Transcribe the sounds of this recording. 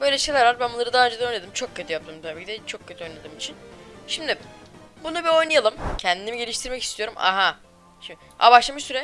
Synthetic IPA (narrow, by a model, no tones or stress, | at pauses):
bø̞jlʲɛʃe̞jlʲæɾvaɾbænbunːˠaɾɯd̪aːɾd͡ʒed̪ao̞jned̪ɯmt͡ʃʰo̞kcʰːøt̪ʰijap̚t̪ɯːmt̪ʰabiːcʰid̪ɛt͡ʃʰo̞k̚ʰːøt̪ʰio̞jnad̪ɯːmit͡ʃʰinʃimd̪ɪbunubio̞jnajalˠɯmcʰɛnd̪inimiɟe̞lʲiʃt̪ʰiɾmɛcist̪ijo̞ɾuma̰ɦa | ʃim | a̰baʃlˠamsyɾɛ